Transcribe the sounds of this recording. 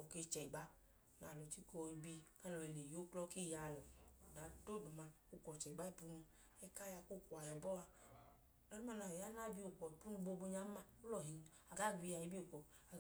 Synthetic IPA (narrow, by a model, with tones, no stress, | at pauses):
ɔ˨ke˧˨t͡ʃɛ˨ɡ͡ba˦ | na˨lu˨ti˦kɔ˧˨i˧˨bi˧˨ka˦lɔ˧˨ɛ˨ne˨jo˦klɔ˧˦ki˦˨ja˧˨lɔ˨da˨˦to˦˨du˨ma˧ | u˦˨kɔ˨t͡ʃɛ˨i˨ba˦i˨pu˧nu˧ | ɛ˧ka˦ja˧ku˦˨ku˨a˨jɛ˨bɔ˦a˧ | lɔ˦u˦ma˧˨na˨ja˦na˦˨bi˧o˨kɔ˨i˨pu˦nu˧bo˧bo˧ɲa˦ma˦˨u˦lɔ˨ɦi˨n˨ | a˨ɡa˦˨ɡi˧ja˨i˧˦bi˦o˨kɔ˨ | a˨